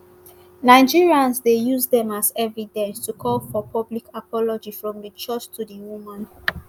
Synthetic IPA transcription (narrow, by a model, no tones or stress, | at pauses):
naɪd͡ʒiɹiãnsdejuzdɛ̃mazɛvidɛ̃nstʰukʰɔlfɔpʰɔblikapɔlɔd͡ʒifɹɔ̃mdət͡ʃɔt͡ʃtʰudiwumãn